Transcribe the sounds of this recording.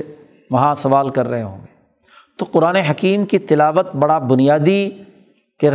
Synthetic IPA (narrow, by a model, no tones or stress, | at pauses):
ʋɐɦãsɐʋaːlkɐɾːɐɦeɦõ̰ːŋɡeː | t̪oqʊɾaːneɦɐkiːmkit̪ɪlaːʋət̪̚bɐɽabʊnijaːd̪i | keɾ